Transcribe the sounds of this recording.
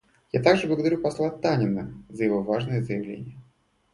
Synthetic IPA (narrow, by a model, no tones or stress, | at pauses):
jat̪aɡʐɨblˠəɡəd̪ɐɾʲupɐslˠat̪anʲɪnːəzəjɪvo̞vaʐnɨjəzəjɪvlʲḛnʲɪjə